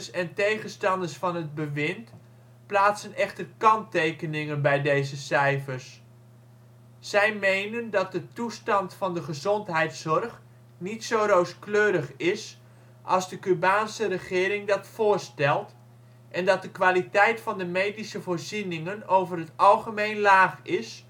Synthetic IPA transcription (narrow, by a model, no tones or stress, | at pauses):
sɛntejχənstɑndərsfɑnɦəd̚bəʋɪnt | plaːtsənɛχtərkɑntejkənɪŋənbɛjdejzəsɛjfərs | ɛjmejnəndɑt̚dətustɑntfɑndəχəzɔntɦɛjtsɔrχ | nitsowɾowskløːɾəχɪs | ʔɑlˠzdəkybaːnsərəχɪːɾɪŋdɑtfʊːrstɛlˠt | ʔɛndɑt̚dəkʋaːlitɛjtfɑndəmejdisəvoːrzinɪŋənowvərɦətɑlˠχəmejnlaːχɪs